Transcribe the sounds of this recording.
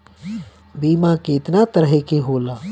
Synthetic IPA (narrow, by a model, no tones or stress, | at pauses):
biːmãkeɪt̪nat̪əɾɦekeɦoːla